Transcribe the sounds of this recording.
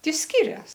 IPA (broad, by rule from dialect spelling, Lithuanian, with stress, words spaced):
ˈtʲɪ ˈsʲkʲɪrʲɛs